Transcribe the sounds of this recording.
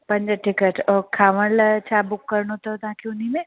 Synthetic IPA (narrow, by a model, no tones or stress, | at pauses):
pɐ̃ɲd͡ʒəʈɪkəʈɔːɾkʰaːʋəɽlɐt͡ʃʰaːbʊkːɐɾnot̪ɐt̪ãkiʊnimẽ